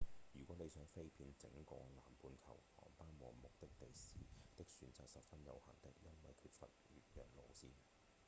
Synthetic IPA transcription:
jyː˨˩kwɔː˨˥ne˨˧jsœː˨˥ŋfe˥jpʰiː˧nt͡sɪ̰˨˥ŋkɔː˧la̰ː˨˩mpuː˧nkʰɐ̰˨˩whɔ̰ː˨˩ŋpaː˥nwɔː˨ŋmʊ˨k̚t̪ɪ˥k̚t̪e˨jsiː˨t̪ɪ˥k̚syː˨˧˥nt͡saː˨k̚sɐ˨p̚fɐ˥njɐ̰˨˧whɐ̰˨˩nt̪ɪ˥k̚jɐ˥nwɐ˨jkʰyː˧t̚fɐ̰˨t̚ɥyː˨t̚jœː˨˩k̚lo̰˨˩wsiː˥n

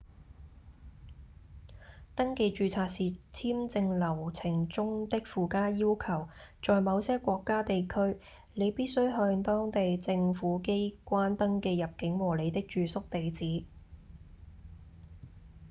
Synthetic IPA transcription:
t̪ɐ˥ŋke˧jt͡ʃyː˨˧t͡sʰaː˧k̚siː˨t͡sʰiː˥mt͡sɪ˧ŋlɐ˨˩wt͡sʰɪ˨˩ŋt͡sʊ˥ŋt̪ɪ˥k̚fuː˨kaː˥jiː˥wkʰɐ˨˩wt͡ʃɔː˨jmɐ˨˧wsɛː˥kʷɔː˧kːaː˥t̪e˨jkʰɵ˥ɥ | le˨˧jpiː˥t̚sɵ˥ɥɦœː˧ŋt̪ɔː˥ŋt̪e˨jt͡sɪ˧ŋfuː˨˥ke˥jkʷaː˥nt̪ɐ˥ŋkeː˧jɐ˨p̚kɪ˨˥ŋwɔː˨˩le˨˧jt̪ɪ˥k̚t͡ʃyː˨sʊ˥k̚t̪e˨jt͡siː˨˥

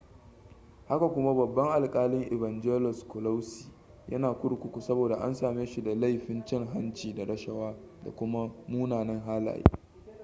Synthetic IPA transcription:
ha˦ka˨kʷʊ˦ma˦bɐ˨bːɐ˦ŋʔa˨lkʼaː˦lɪ˦ŋʔɪ˨bɐ˨nd͡ʒeː˦lɔ˨skʷʊ˨la˦wsi̥ː˨ | jʔɐ̰˦naː˨kʷʊ˦ɽkʷʊ˦kʷu˨sɐ˦boː˨da˨ʔa̰˦nsaː˨meː˦ʃu˨da˨la˦˨jɸɪ˦nt͡ʃɛ˦˨ŋɦa˦nt͡ʃiː˨da˨ɾɐ˦ʃɐ˦waː˦da̰˨kʷʊ˦ma˦muː˦naː˨nɐ˦ŋɦaː˦la̰ː˨jḭ˦

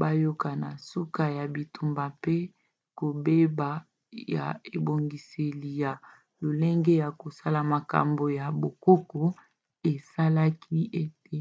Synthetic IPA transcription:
ba˦jo˦ka˨na˨su˦ka˦ja˨bi˨tu˨mba˨pe˦ | ko˨be˦ba˨ | ja̰˨e˨bo˨ŋɡi˨se˨li˨ja˨ | lo˨le˦ŋɡe˦ja˨ko˨sa˦la˨ma˨ka̰˨mbo˨ja˨bo˨ko˦kɔ˨ | e˨sa˦la˦kʰi˦ʔe˦t̚e˨

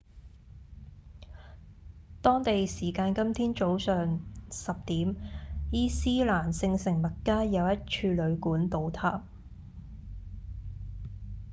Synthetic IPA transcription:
t̪ɔː˥ŋt̪e˨jsiː˨˩kaː˧nkɐ˥mt̪ʰiː˥nt͡ʃo˨˥wsœː˨ŋsɐ˨p̚t̪iː˨˥mjiː˥siː˥laː˨˩nsɪ˧ŋsɪ˨˩ŋmɐ˨t̚kaː˥jɐ˨˧wjɐ˥t̚t͡ʃʰyː˧lɵ˨˧ɥkuː˨˥nt̪o˨˧wt̪ʰaː˧p̚

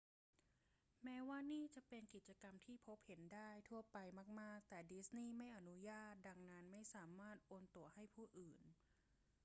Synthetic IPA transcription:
mɛː˦˥waː˥˩niː˥˩t͡ɕa˨˩pe˧nki˨˩t̪̚t͡ɕa˧ka˧mt̪ʰiː˥˩pʰo˦˥p̚he˩˦ndaː˥˩jt̪ʰu˥˩ɐpa˧jmaː˥˩k̚maː˥˩k̚t̪ɛː˨˩di˦˥sniː˥˩ma˥˩jʔa˧nu˦˥jaː˥˩t̪̚da˧ŋna˦˥nma˥˩jsaː˩˦maː˥˩t̪̚ʔoː˧nt̪u˧ɐha˥˩jpʰuː˥˩ʔɯː˨˩n

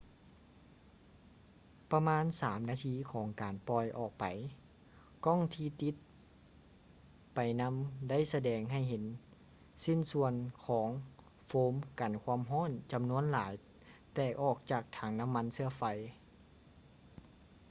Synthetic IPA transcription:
pa˧maː˧˥˨nsaː˩˦mnaː˧t̪ʰiː˧˥˨kʰɔː˩˦ŋkaː˨˩npɔː˧˩jʔɔː˨˩k̚pa˨˩j | kɔ˧˥˨ŋt̪ʰiː˧˨t̪i˧˦t̪̚ | pa˨˩jna˧˥mda˥˨jsa˧dɛː˨˩ŋɦa˧˩jɦe˨˦n | si˧˥˨nsu˧ənkʰɔː˩˦ŋ | foː˧˥mka˨˩nkʰwaː˧˥˨mɦɔː˥˨nt͡ɕa˨mnu˧˥ənlaː˩˦j | t̪ɛː˧˩ʔɔː˨˩k̚t͡ɕaː˨˩k̚t̪ʰaː˨˦ŋna˧˥˨mːa˧˥nsɯ˧ɐfa˧˩j

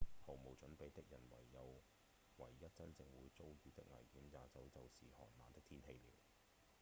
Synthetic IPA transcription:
hɐ˨˩wmo˨wt͡ʃɵ˨˥npe˨˧jt̪ɪ˥k̚jɐ˨˩nwɐ̰˨˩jːɐ˨˧w | wɐ˨˩jːɐ˥t̚t͡sɐ˥nt͡sɪ˧ŋwuː˨˧jt͡so˥wɥyː˨˧t̪ɪ˥k̚ŋɐ̰˨˩jkiː˨˥njaː˨˧t͡sɐ˨˧wt͡sɐ˨˧wsiː˨hɔ̰ː˨˩nma̰ː˨nt̪ɪ˥k̚t̪ʰiː˥nhe˧jliː˨˩w

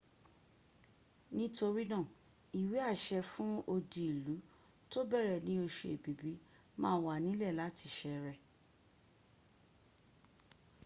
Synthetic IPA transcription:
nĩ˦to˧ɾi˦nã˦˨ | i˨wi˨˦a˦˨ʃɛ˧fũ˦o˧di˨i˨lu˨˦ | to˦bɛ˦˨ɾɛ˦˨nĩ˦o˧ʃḛ˧˨e˨bi˨˦bi˦ | mãː˦wa˨nĩ˦lɛ˦˨la˨˦ti˧˨ʃɛ˧ɾɛ˨

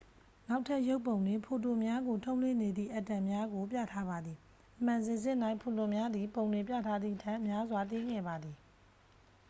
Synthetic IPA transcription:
na˦ʊtʰːa˦ʔjo˦ʊpːõ˨ʊ̃ndwɪ̃˨pʰo˨to˨mja˦ɡo˨tʰõ˦ʊ̃lwɪ̰̃˦˨ne˨d̪ðḭ˦˨ʔa˦˨tːã˨mja˦ɡo˨p̬jä̰˦˨tʰa˦ba˨d̪ði˨ | ʔəm̥ã˨nze˨zɪ̃˦˨na˦ɪʔpʰo˨tʊ˨mja˦d̪ði˨põ˨ʊ̃ndwẽ˨pja̰˦˨tʰa˦d̪ðḭ˦˨ʔətʰã˦ʔəmja˦zwa˨t̪e˦ɡɛ̰˦˨ba˨d̪ði˨

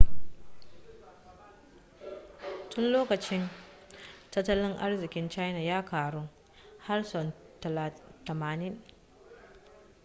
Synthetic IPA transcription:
tʊ˦nloː˦kɐ˨t͡ʃɪ˦n | tɐ˦tːɐ˦lɪ˦ŋʔa̰˦rzɪ˨kʲɪ˦nt͡ʃa˦jna˨jaː˦kaː˨ɽʊ˦ŋ | ha˦rsɔ˨ntɐ˨la˨tɐ˨maː˨nɪ˦n

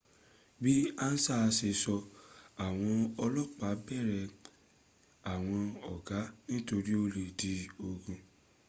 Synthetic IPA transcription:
bi˦a˦n̩˦sa˦˧se˧˨sɔ˧a˨w̃ɔ̃˧ɔ˧lɔ˦˨k͡pa˨˦bɛ˦˨ɾɛ˧˨ | a˨w̃ɔ̃˧ɔ˨ɡa˨˦nĩ˦to˧ɾi˦o˦le˨di˧˦o˧ɡũ˧

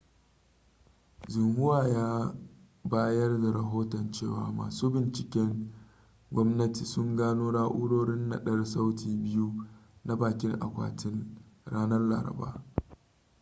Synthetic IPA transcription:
d͡ʒʊ˨mhʊ˦waː˨jaː˦ | baː˦jɐ˦rda˨ɾɐ˨ɦoː˦tɐ˨nt͡ʃeː˦˨wa̰ː˨ma̰ː˨suː˦bɪ˨nt͡ʃɪ˨kʲɛ˦ŋ | ɡʷɔ˦mnɐ˦ti˨sʊ˦ŋɡaː˦noː˦ɽaː˦ʔʊ˦ɽoː˦ɽɪ˦nːa̰˨ɗɐ˦rsa˦wtʰiː˨bɪ˦ju˦na˦baː˨kʲɪ˦ŋʔa̰˨kʷa̰ː˨tʰɪ˦nɽaː˦nɐ˦rla̰ː˨ɾɐ̰˨ba̰ː˦

